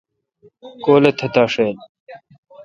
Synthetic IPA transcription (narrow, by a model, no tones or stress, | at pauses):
koːlet̪ʰɐt̪aːʂeːl